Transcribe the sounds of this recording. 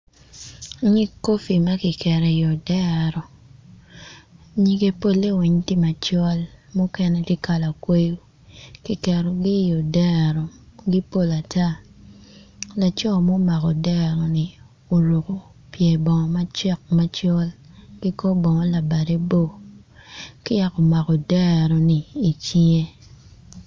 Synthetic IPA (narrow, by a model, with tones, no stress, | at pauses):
ɲi˦kːo˦fi˨ma˦ki˨kɛ˨ɾɛ˨jɔ˨dɛ˦˨ɾɔ˨ | ɲi˨ɡe˦po˦lːe˦wi˨ɲti˦ma˨t͡ʃɔ˦lmo˦kɛ˦nɛ˦ti˦ka˨la˨kwe˦jo˦ | ki˨kɛ˨ɾɔ˨ɡi˦jɔ˨dɛ˦˨ɾɔ˨ɡi˦po˦˨la˨ta˦˨ | la˨t͡ʃɔ˦˨mo˦ma˨kɔ˨dɛ˦ɾɔ˨ni˨ | o˨ɾo˨ko˨ | pje˨bɔ˨ŋɔ˨ma˦t͡ʃɛ˦˨k̚ma˦t͡ʃɔ˦l | ɡ̥i˦kɔ˦bɔ˨ŋɔ˦la˨ba˨de˦bo˦˨ | kɪ˦a˨kɔ˨ma˨kɔ˨dɛ˦ɾɔ˨niː˨t͡ʃi˦ŋe˦